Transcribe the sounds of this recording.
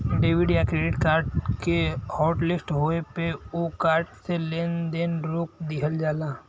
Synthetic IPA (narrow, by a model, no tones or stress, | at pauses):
ɖeːʋɪɖjakɾeːɖɪʈkaːɾʈkehɔːʈlɪsʈɦoepeokaːɾʈseleːnd̪enɾoːk̚d̪ɪɦəld͡ʒaːlaː